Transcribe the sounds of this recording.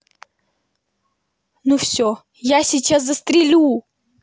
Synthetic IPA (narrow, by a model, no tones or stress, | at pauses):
nufsʲo | jasʲɪt͡ɕaszəst̪ɾʲɪlʲu